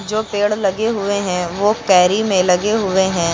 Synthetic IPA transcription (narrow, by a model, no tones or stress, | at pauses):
d͡ʒoːpeːɽlɐɡeɦʊeɦɛ̃ʋoːkɛːɾimẽlɐɡeɦʊeɦɛ̃ː